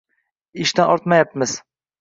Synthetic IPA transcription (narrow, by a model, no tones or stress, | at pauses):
ɪʃt̪anʔɒɾt̪majapmɪz̥